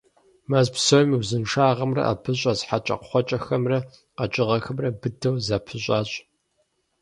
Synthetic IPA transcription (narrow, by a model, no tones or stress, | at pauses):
mazpsomiwzɨnʂaːʁɐmrɐ̰ʔa̰pʰɨɕʷʼɐzħat͡ʃʼɐ̰qχʷɔt͡ʃʼɐxɐmrɐ | qɐt͡ʃʼɪʁɐxɐmrɐbɨdɐwzaːpʰɨɕʷʼɑːɕʼ